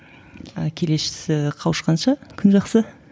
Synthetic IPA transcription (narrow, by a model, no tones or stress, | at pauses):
əkʲʰe̞le̞sʃɪ̥sɪqʰɑwəʃqɑnʃɑkʲʰʏnʒɑqsə